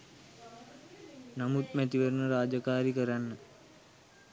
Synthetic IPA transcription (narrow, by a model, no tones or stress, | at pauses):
namut̪̚mɛt̪iʋeɾnəɾaːd͡ʒɐkaːɾikəɾanːə